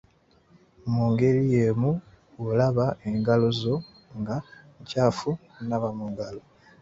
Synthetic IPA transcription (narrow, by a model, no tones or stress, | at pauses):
muːŋɡe̞lijemu | olaβaeŋɡalozo̞ | ŋɡaɲcaːfu | naβamuŋɡalo